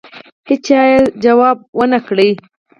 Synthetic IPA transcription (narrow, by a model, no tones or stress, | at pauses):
hɪt͡ʃɑjeld͡ʒawɑb̚wənakɽəj